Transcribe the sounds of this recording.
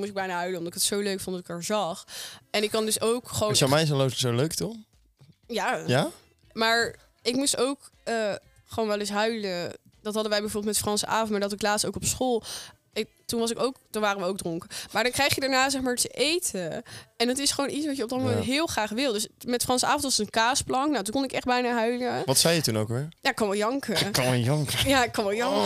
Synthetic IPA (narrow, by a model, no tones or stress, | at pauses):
mutɪɡbɛjnaːɦœɥlənɔmdɑtɪkətsowløɥkfɔndɑtɪkɛɹzɑχɛnɪkːɑndøsowkχəʋowɔmɛjɪs̬əlotsoløɥktɔχ | jaja | maːɹ | ɪkmustowk | əː | χəʋownʋɛlɪs̬ɦœɥlə | d̥ɑtɦɑdəʋɛjbɛəvoɹbɪlˠtmɛtfrɑnsə̰ʔaːfɔnmaːdɑtɪklaːtstowkɔpsχolˠ | ɪ | tunʋɑs̬ɪkowktunʋaːrəʋəowk̚drʊŋkəmaːɹdɑnkrɛjχjədaːɹnaːzɛχmaːɹtəʔejtʰəɛndɑtɪsχəʋownitsʋɑtjəɔb̚dɑt̚mowmɛ̃ntɦɪːlˠχraːχʋɪlˠdøsmɛtfrɑnsəa̰ːfɔntʋɑsətənkaːsplɑŋknawtunkɔnɪkɛχd̚bɛjnaːɦœɥləʋɑtsɛjətuno̰wkʋɪɹjaːɪkːɑnʋɛlˠjɑŋkəkːɑnʋɛjɑŋkəjaːɪkːɑnʋɛlˠjɑŋ